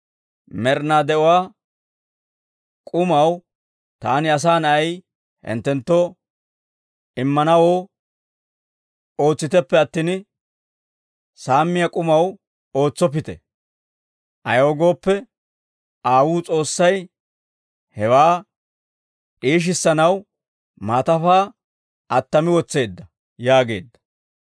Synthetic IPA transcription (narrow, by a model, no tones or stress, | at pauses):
mɛɾnaːd̪ɛʔɔwaː | kʼʊmɐw | t̪aːnɪɐs̬aːnɐj | hɪ̰nt̪ːɛnt̪ːo | ɪmːɐnɐwoː | o̞ːt͡sːɪt̪ɛpːɛɐt̪ːiːn | saːmːɪjakʼʊmɐw | o̞ːt͡sːɔp̬ɪt̪ɛ̰ | ʔɐjoːɡo̞ːpːɛ | ʔaːwuːt͡sʼo̞ːsːɐj | hɛwaː | ᶑʼiːʃ̬ɪsːɐnɐw | maːt̪ɐfaː | ʔɐt̪ːɐmɪwɔt͡sːe̞ːd̪ːɐ | jaːɡe̞̰ːd̪ːɐ̥